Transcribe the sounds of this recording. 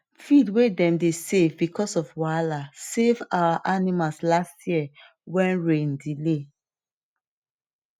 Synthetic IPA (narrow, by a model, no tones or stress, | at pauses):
fidwedɛ̃mdesevbikɔsɔfwalasevawaʔanimalslastjiɛ | wɛ̃nɹẽndile